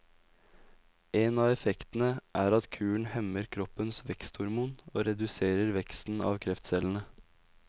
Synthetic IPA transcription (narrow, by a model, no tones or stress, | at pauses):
eːnɑːʋɛfɛkt̪n̩əʔæːɾɑt̪kʰʉːɳ̩hɛməɾkʰɾɔpənsʋɛkst̪hʊɾmuːno̰ːɾɛd̪ʉseːɾəɾʋɛkst̪n̩ɑ̰ːʋkʰɾɛft̪sɛlən̩ə